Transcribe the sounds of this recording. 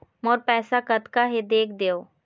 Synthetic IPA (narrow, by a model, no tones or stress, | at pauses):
mɔːɾpɛːsakət̪kaɦed̪eːkʰd̪eːoː